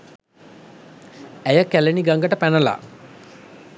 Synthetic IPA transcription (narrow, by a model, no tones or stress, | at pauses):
æjəkæleniɡaŋɡəʈəpænəla̰